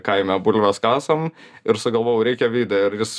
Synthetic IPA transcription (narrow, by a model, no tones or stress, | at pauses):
kɐɪmʲɛbʊlʲʋʲɛskɑːsɐmɪɾsʊɡɐlˠʋoːjɛʊɾʲɛɪkʲɛʋʲiːd̪ʲɛɪɾjɪs